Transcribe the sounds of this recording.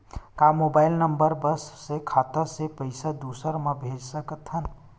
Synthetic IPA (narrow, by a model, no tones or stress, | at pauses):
kamobajlnəmbəɾbəsːekʰat̪əɾsepəɪsad̪usəɾmebʱed͡ʒsəkət̪ʰɦən